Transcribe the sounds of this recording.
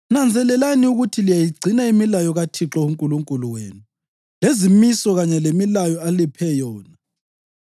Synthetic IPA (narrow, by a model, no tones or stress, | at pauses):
nand͡zʱɛlɛlaniuɣutʰilijajiɡ͡ǀʱinaimilajɔɣatʰiǁɔuŋkʼuluŋkʼuluweːnu | lezimisɔɣaɲɛlemilajɔalipʰɛjɔːna